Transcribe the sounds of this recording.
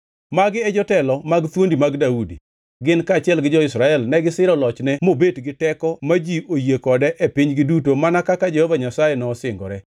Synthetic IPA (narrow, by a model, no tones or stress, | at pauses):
maɡɪɛd͡ʒɔtɛlɔmaɡt̪wondimaɡdaudḭ | ɡɪnkaːt͡ʃɪɛlɡɪd͡ʒɔɪsɾaɛlnɛɡɪsɪɾɔlɔt͡ʃnɛmobedɡɪtɛkɔmad͡ʒiojekɔdɛʔepiɲɡɪdutomanakakad͡ʒɛhɔvaɲasajɛnɔːsɪŋɡɔ̰ɾɛ